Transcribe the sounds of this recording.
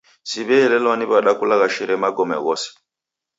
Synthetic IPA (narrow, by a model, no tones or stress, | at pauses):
siβɛɛlɛlwaniβaɗakulaɣaʃɛɾɛmaɡɔmɛ̰ɣɔsɛ̥